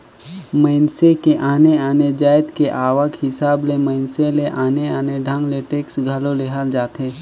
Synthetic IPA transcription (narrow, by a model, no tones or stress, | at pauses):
məɪnsekeʔaːneaːned͡ʒaːjt̪keʔaːʋəkɦɪsaːbleməɪnseleʔaːneaːneɖʱə̃ŋɡleʈeːksɡʱəloleɦəld͡ʒaːt̪eː